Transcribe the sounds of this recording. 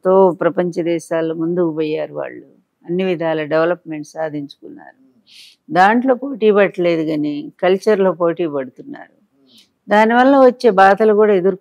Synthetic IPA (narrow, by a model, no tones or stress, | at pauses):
t̪o̞ːpɾɐpɐɲt͡ʃɐd̪ɛːʃaːlomund̪ukupoːjːaːɾuʋa̰ːɭːu | ɐnːiʋid̪ʱaːlɐɖeʋɐlɐpme̞ɳʈsaːd̪ʱiɲt͡ʃu̥kunːa̰ːɾu | d̪aːɳʈlo̞ːpoːʈiːpɐʈːɐle̞ːd̪uɡaːnekɐlt͡ʃɐɾlo̞ːpo̞ːʈiːpɐɽut̪unːa̰ːɾu | d̪aːniʋɐlːɐʋɐt͡ʃːe̞ːbaːt̪ɐlukuːɽaːed̪uɾu